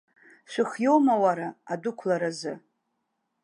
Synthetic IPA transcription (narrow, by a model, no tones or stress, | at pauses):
ʃʷɨχjo̞wmawaɾaadʊkʷʰlaɾazɨ